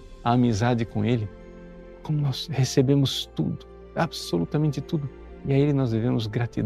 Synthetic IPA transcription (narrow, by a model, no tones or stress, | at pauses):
ɐamizad͡ʒɪkõelɪ | kõmʊnɔshesebẽmʊst̪ṵd̪ʊ̥ | absolut̪ɐmẽnt͡ʃɪt̪ud̪ʊ | iaelɪnɔzd̪evẽmʊzɡɾat̪id̪